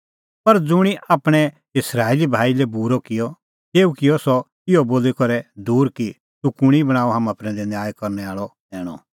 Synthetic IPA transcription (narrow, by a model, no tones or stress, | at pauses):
pɐɾd͡zʊɽ̃iʔaːpɽ̃ɛ | ɪsɾaːelibʱaːilɛbuɾɔkɪjɔ | t̪eːukɪjɔsɔ | ɪjɔboːlikɔɾɛd̪uːɾki | t̪ukʊɽ̃ibɐɽ̃aːɔɦaːmãpɾɛ̃ːd̪ɛnjaːjkɔɾnɛaːɭɔd̪ɛːɽ̃ɔ̰